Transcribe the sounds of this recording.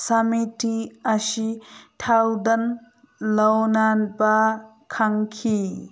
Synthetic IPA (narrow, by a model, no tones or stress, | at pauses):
sɐmitiɐsitʰawd̪ɐn | lɐwnanba | kʰaŋkʰi